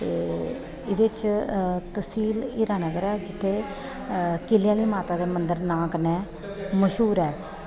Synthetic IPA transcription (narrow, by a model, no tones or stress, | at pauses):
t̪eː | ɪd̪eːt͡ʃt̪əsiːliːɾaːnəɡəɾɛːd͡ʒɪt̪ʰːeː | kɪlɪjãːliːmaːt̪aːd̪eːmənd̪əɾnãːkənɛː | məʃɦuːɾɛː